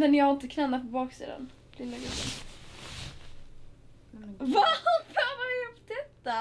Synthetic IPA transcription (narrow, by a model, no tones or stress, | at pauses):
mɛnjaaɪnt̪əkʰnɛnːafɔbɑːksḭːd̪a̰n | lɪlːaɡɾɵbːə̰n | vafavapt̪ʰɛp̚t̪a